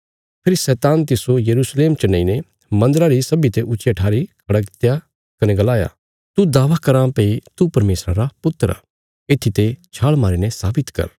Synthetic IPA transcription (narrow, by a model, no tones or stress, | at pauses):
pʰɪɾisɛːt̪ãːnt̪̬ɪsojɐɾuːsleːmt͡ʃɐnːaine | mɐ̃nd̪ɾaɾisɐbit̪eʔʊt͡ʃeʈʰaːɾikʰɐɽakɪt̪ja | kɐnɛɡɐlaːja̰ | t̪ud̪aːʋakɐɾãpeit̪upɐɾmeːsɾaɾapʊt̪ːəɾa̰ | eːt̪ʰit̪et͡ʃʰaːɭmaːɾinɛsaːbɪt̪kɐ̰ɾ